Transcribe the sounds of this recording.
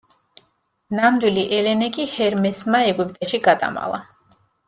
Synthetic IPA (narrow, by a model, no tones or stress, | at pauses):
namd̪wiliʔɛlɛnɛkʼihɛɾmɛsmaɛɡwipʼt̪ʼɛʃiɡad̪ʼa̰ma̰lˠa̰